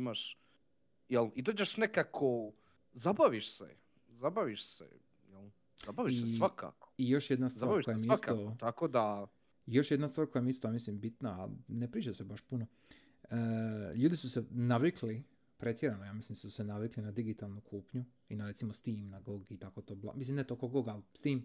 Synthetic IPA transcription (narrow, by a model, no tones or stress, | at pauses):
imaʃ | jelid̪oːd͡ʑeʃnekakʰo | zabaʋiʃsḛ | zabaʋiʃsḛ | jɛl | z̥abaʋiiʃsesʋaka̰ko̥ijo̞ʃjed̪nast̪zaɾaiojamiiast̪ot̪akod̪a | jo̞ʃjed̪nast̪ʋaːɾkojamiist̪ojamislimbit̪naa̰nepɾiːt͡ʃasebaʃpuno | əʎuːd̪isusenaʋikʰli | pɾet̪jeɾanojaːmislimasusenaʋiklinad̪iɡit̪alˠnukʰuːpɲu | inaɾe̞t̪simost̪iːmnaɡoɡit̪akot̪oːblˠa̰mislimnet̪okoɡoɡalst̪iːm